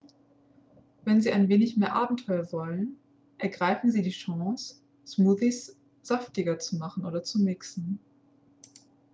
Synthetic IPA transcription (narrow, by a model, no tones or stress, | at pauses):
vɛnziːaɪnveːnɪçmeːɐʔaːbm̩tʰɔʏɐvɔlən | ʔɛɐɡʁaɪfn̩ziːdiːʃɔɑ̃ŋsː | muːðis | z̥aftɪɡɐt͡sumaχn̩ʔoːdɐt͡sumɪksn̩